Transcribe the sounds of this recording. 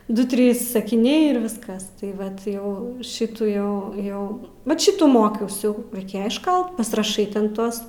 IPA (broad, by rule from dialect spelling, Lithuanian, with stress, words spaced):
ˈdʊ ˈtʲrʲiːs sɐkʲɪˈnʲɛɪ ɪr ˈʋʲɪskɐs tɐɪ ˈʋɐt ˈjɛʊ ˈʃʲɪtuː ˈjɛʊ ˈjɛʊ ʋɐt ˈʃʲɪtuː ˈmoːkʲɛʊs jɛʊ rɐɪˈkʲeːjɛ ɪʃˈkɐlˠt pɐsʲɪrɐˈʃɐɪ tʲɛn ˈtuɔs